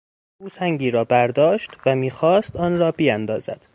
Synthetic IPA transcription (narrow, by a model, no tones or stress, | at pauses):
ʔuːsæŋɡiːɾɒːbæɾd̪ɒːʃt̪væmiːxɒːst̪ɒːnrɒːbijænd̪ɒ̰ːzæ̰d̪̥